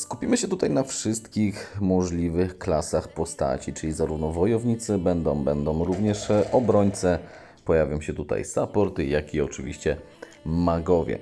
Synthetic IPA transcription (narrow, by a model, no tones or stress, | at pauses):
skupʲimɘɕɛt̪ut̪ajnafʂɘst̪kʲixmɔʐlʲivɘxklasaxpɔst̪a̰t͡ɕit͡ʂɘlʲizaɾuvnɔvɔjɔvɲit̪sɘbɛnd̪ɔ̃w̃bɛnd̪ɔ̃w̃ɾuvɲɛʂɔbɾɔɲt̪sɛ | pɔjavʲjɔ̃w̃ɕɛt̪ut̪a̰jsapɔɾt̪jakʲiɔt͡ʂɘvʲḭɕt͡ɕɛ | maɡɔvʲjɛ̰